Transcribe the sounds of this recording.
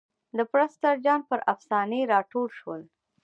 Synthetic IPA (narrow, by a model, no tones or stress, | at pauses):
d̪əpɾast̪aɾd͡ʒɑnpəɾʔafsɑneɾɑʈolʃwəl